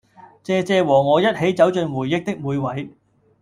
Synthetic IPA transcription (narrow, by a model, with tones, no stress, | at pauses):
t͡sɛː˧t͡sɛː˧wɔː˨˩ŋɔː˨˧jɐ˥t̚he˨˥jt͡sɐ˨˥wt͡ʃɵ˧nwuː˨˩jːɪ˥k̚t̪ɪ˥k̚muː˨˧jwɐ˨˥j